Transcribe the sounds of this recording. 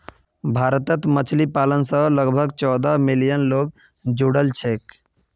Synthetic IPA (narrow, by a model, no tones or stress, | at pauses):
bʱaɾt̪ət̪mət͡ʃʰlipalənsə̃ləɡbʱəɡt͡ʃɔd̪amilijənloɡ | d͡ʒuɽəlt͡ʃʰek